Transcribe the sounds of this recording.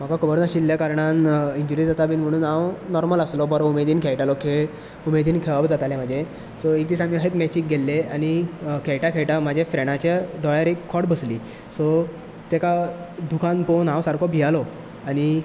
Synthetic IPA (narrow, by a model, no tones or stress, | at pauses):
m̤aɡakəbəɾnaɕilːjakaɾɳaniɲd͡ʑuɾid͡zat̪abiːnm̤əɽ̃uːnãwnɔɾmələslɔbəɾɔumed̪iːnkʰɛjʈalɔkʰe | umed̪iːnkʰeʋabd͡zat̪alem̤ad͡ʑʱe | sɔek̚d̪isamiːəɦet̪mɛt͡ɕik̚ɡʱelːeañikʰɛjʈakʰɛɭʈam̤ad͡ʑʱefɾeɽ̃at͡ɕad̪ɔjaɾekʰːɔɽbəsliː | sɔ | t̪ekad̪ukʰãnponãwsaɾkʰɔbʱijalɔ | añi